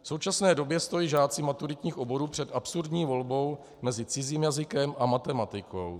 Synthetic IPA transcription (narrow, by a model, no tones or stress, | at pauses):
fsowt͡ʃasnɛːdo̞bjɛst̪o̞jiːʒaːt͡sɪmat̪uɾɪt̪ɲiːxʔo̞bo̞ɾuːpr̥ɛt̪ʔapsuɾdɲiːvo̞lbo̞w | mɛzɪt͡sɪziːmjazɪkɛmʔamat̪ɛmat̪ɪko̞̰w